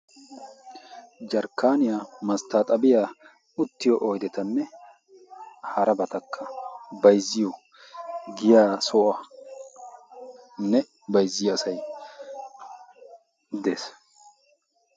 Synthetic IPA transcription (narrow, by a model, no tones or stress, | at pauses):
d͡ʒɐɾkːaːnɪjamɐst̪aːt̪ʼɐbɪjaː | ʊt̪ːɪjɔʔojd̪ɛt̪ɐnːɛ | hɐɾɐbɐt̪ɐkʰːɐbɐjzːɪjɔ | ɡɪjaːsɔʔɐ | nːɛ | bɐjzːɪjɐsɐj | d̪eːs